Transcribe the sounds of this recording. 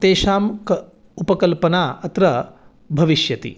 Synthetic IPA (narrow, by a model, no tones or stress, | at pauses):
t̪eːʃaːmk | upɐkɐlpɐnaːɐt̪ɾɐ | bʱɐʋiʃjɐt̪ḭ